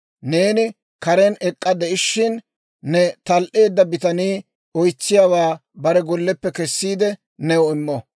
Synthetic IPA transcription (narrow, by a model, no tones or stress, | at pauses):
ne̞ːnɪ | kɐɾɛnɛkʼːɐd̪ɛʔɪʃːɪnː | ɛt̪ɐlʔe̞ːd̪ːɐbɪt̪ɐniː | ɔjt͡sːɪjawaːbɐɾɛɡɔlːɛpːɛkɛsːiːd̪ɛ | nɛɔɪmːɔ